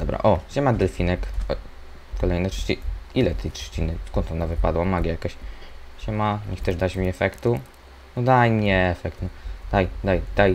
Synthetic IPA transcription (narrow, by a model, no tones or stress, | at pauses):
d̪ɔbɾa̰ʔɔɕɛmad̪ɛlfʲinɛkɔ | kɔlɛjnɛtʂt͡ɕiilɛt̪ʰɛjtʂt͡ɕinɘskɔnt̪ɔnavɘpad̪wamaɡʲajakɔɕɕɛmaɲɛxt̪ɛʐd̪at͡ɕmʲiɛfɛkt̪u | nɔd̪ajmɲɲɛɛfɛk̚t̪nɔd̪̥ajd̪ajd̪̥aj